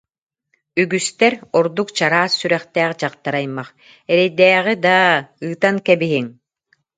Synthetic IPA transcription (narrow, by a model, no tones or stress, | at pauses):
yɡyst̪ɛɾɔɾd̪ukt͡ɕaɾaːsːyɾɛχt̪ɛːχd͡ʑaqt̪aɾajmːaχ | ɛɾɛjd̪ɛːʁid̪aɯːt̪ankɛbiɦiŋ